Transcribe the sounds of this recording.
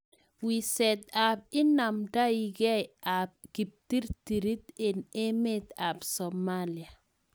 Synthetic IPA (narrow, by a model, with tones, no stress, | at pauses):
wi˨sɛ˨t̪a˨b̚ɪ˦na˨mda˦i˨ɡɛ˦a˨b̚ɡ̥i˨p̚ti˦ɾt̪i˨ɾi˦t̪e˨ne˦me˦t̪a˨bsɔ˨malia˨